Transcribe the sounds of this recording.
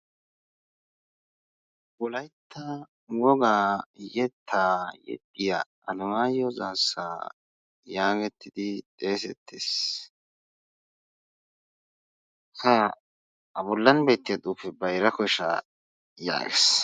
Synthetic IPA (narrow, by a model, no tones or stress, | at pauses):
wɔlɐjt̪ʰːɐ | wɔɡaːjɛt̪ʰːaːjɛ̰t̪ʼːɪja | ɐlʊmaːjɔzaːsːaː | jaːɡɛt̪ːɪd̪ɪt̪ʼe̞ːsɛt̪ʰːeːs | ha | ɐbɔlːɐnbe̞ːt̪ːɪjɐt̪ʼuːpːɛbɐjɾɐkɔʃɐ̰ | ja̰ːɡɛ̰s